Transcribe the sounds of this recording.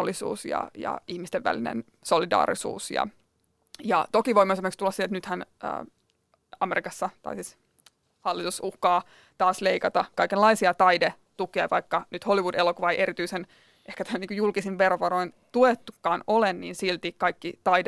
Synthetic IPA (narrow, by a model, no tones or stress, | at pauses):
olːisṵːsjɑ̰jɑ̰ihmist̪eʋʋæ̰linḛn | so̞lidɑ̰ːɾḭsṵːsjɑ̰ | jɑ̰t̪okiʋo̞imːˑoesimerkst̪ulːɑsiet̪nyt̪hænə̰ː | ɑmeɾikɑsːɑt̪ɑ̰isiːs | hɑlːit̪usuhkɑː | t̪ɑːsleikɑt̪ɑkɑikelːɑisiɑt̪ɑjde | t̪ukiɑ̰ʋɑikːɑnyt̪holiʋudelokuʋɑeiʔeɾit̪yisen | ʔehkæt̪æniːkujulkisiʋʋeroʋɑɾoint̪uet̪ːukːɑːnolennḭːnsilt̪ikɑikːit̪ɑjde